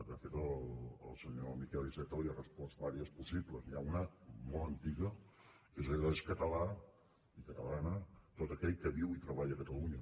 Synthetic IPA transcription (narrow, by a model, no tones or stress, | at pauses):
d̪əfet̪ələ̰lˠsəɲomikɛlˠisɛt̪əliarəspɔβaɾiəspusibləzniaunəmɔlˠənt̪iɣə | ezəlðaeskət̪əla | ikət̪əlanət̪ot̪əkɛʎkəβiwit̪ɾəβaʎəkət̪əluɲə